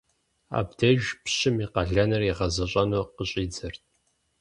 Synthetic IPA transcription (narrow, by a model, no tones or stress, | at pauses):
a̰ːbdɐʒpɕɪmiqɐɮɐnɐriʁɐzɐɕʼɐnoqəɕʼiːd͡zɐrt̚ʰʼ